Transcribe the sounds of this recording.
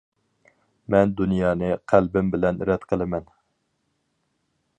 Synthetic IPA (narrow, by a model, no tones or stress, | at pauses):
mɛnd̪unjɑːnɨqʰælbɪmbɪlɛnɾɛd̪qʰəlˠɪmɛn